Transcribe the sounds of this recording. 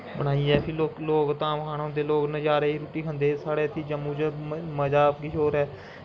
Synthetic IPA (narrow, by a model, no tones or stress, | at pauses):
bəɽ̃aːiːɛːpʰɪloːkloːkt̪ãːmkʰaːnõːd̪eːloːknəd͡ʒaːɾeːiːɾuːʈiːkʰə̃nd̪eːsaːɽeːət̪ʰːiːd͡ʒəmːũːd͡ʒməd͡ʒaːpkit͡ʃoːɾɛː